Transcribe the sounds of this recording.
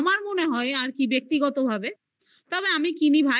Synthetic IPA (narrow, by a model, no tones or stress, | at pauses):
maɾmoneɦɔeaɾkibjek̚t̪iɡɔt̪obʱabe | t̪ɔbeamikinibʱa